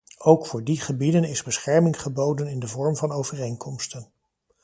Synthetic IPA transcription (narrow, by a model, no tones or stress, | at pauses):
owkfʊːɹdiχəbidənɪzbəsχɛɹmɪŋχəbowdənɪndəvɔɹmvɑnowvərejŋkʰɔmstən